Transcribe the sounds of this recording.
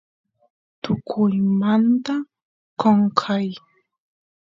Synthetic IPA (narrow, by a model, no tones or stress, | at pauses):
t̪ʊkʰʊjmant̪a | koɴkʰaj